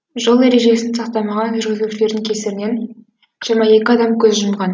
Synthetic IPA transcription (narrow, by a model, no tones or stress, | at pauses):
ʒolˠeɾe̞ʒe̞sɪnsɑqt̪ɑmɑʁɑnʒʏɾɡʲɪzuʃɪle̞ɾd̪ɪŋkʲʰe̞sɪɾɪne̞n | ʒ̥iɾmɑe̞kʲɪɑd̪ɑmkʲʰɵzʒʊmʁɑn